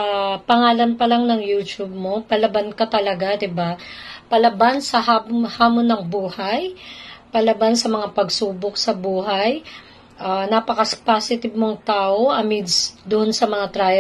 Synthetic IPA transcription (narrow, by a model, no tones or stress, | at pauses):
apɐŋaːlɐnpɐlaŋnɐŋjuːt͡ʃub̚mo̞pɐlɐbankɐt̪ɐlɐɡad̪ɪbapɐlɐbansɐhahaːmonːɐŋbuːhajpɐlɐbansɐmɐŋapɐɡsuːbok̚sɐbuːɦɐj | ʔanapɐkɐspasɪt̪ɪb̚moŋt̪aːʔo̞ʔɐmid̪sd̪ʊʔonsɐmɐŋat̪ɾajɛ